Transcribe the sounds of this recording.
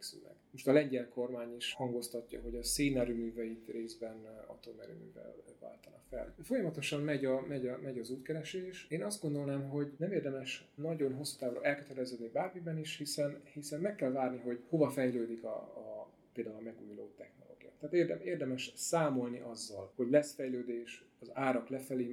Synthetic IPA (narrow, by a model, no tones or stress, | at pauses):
ksy̰mɛ̰ɡ̥moʃt̪ɒlɛɲɟɛlko̞rmaːɲiʃhɒŋɡo̞st̪ɒcːɒ̰ɦo̞ɟɒseːnɛɾymyːvɛjit̪reːzbɛnɒ̰t̪omɛɾy̰my̰ːvɛ̰lva̰ːlt̪ɒnɒfɛ̰lfo̞jɒmɒt̪o̞ʃɒmmɛɟɒmɛɟɒmɛɟɒzuːt̪kɛɾɛʃeːʃeːnɒzd̪ɡo̞nd̪o̞lnaːmɦo̞ɟnɛmeːrd̪ɛmɛʃnɒɟo̞nɦo̞sːu̥t̪aːvrɒ̰ʔɛlkøt̪ɛɾɛzød̪nibaːrmibɛniʃhisɛnhisɛmmɛkːɛlvaːrniɦo̞ɟho̞vɒfɛjløːd̪ikɒ̰ | peːld̪aulɒmɛɡṵːjlo̰ːt̪ɛxno̞lo̰ːɡija̰ːt̪ːaːt̪erd̪eːrd̪ɛmɛʃsaːmo̞lniʔɒzːɒlho̞ɟlɛsfɛjløːd̪eːʃɒzaːɾɒklɛfɛleː